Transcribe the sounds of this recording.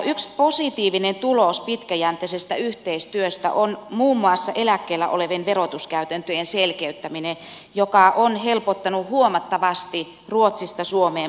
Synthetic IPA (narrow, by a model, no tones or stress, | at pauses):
yksposit̪iːʋinent̪ulospit̪kæjænt̪ˑesest̪æyht̪eist̪yøst̪æ̰ʔonmuːmːuɑsːɑʔelækːeːlːæ̰ʔo̰leʋenʋerot̪uskæyt̪ænt̪øjenselkeyt̪ːæmine | jokɑʔonhelpot̪ːɑnuhuomɑt̪ːɑʋɑst̪i | ruot̪sist̪ɑsuomeː